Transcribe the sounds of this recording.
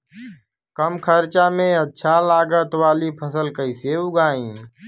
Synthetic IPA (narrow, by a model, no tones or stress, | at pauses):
kəmkʰəɾt͡ʃaːmẽːətːʃʰaːlaːɡət̪ʋaːliːpʰəsəlkəiseːʊɡaːĩː